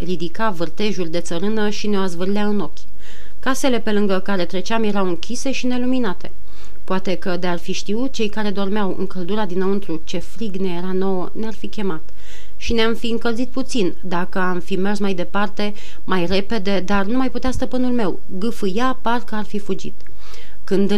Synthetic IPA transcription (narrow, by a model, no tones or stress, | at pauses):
rid̪ikavɨrt̪e̞ʒurʲd̪e̞t̪səɾɨnəʃineoazvɨrleaɨno̞kʲ | kase̞le̞pe̞lɨŋɡəkaɾe̞t̪ɾe̞t͡ʃamje̞ɾawɨŋkʲise̞ʃine̞luminat̪ʰe̞̰ | poat̪e̞kəd̪earfiʃt̪iut̪̚t͡ʃe̞jkaɾe̞d̪o̞rmeawɨ̰ŋkəld̪uɾad̪inəwɨnt̪ɾut͡ʃe̞fɾiɡne̞jeɾano̞wənearfikʲe̞mat̪ | ʃineamfiɨŋkəlzit̪̚put̪sind̪akəamfime̞rsmajd̪e̞part̪e̞ | majre̞pe̞d̪e̞d̪arnumajput̪east̪əpɨnulme̞w | ɡɨfɨjaparkəarfifud͡ʒḭt̪ | kɨnd̪